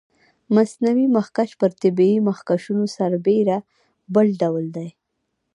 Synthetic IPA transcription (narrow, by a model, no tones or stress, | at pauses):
masnawimaxkaʃpəɾt̪ɪbiimaxkaʃunosaɾbeɾa | bəlɖawld̪aj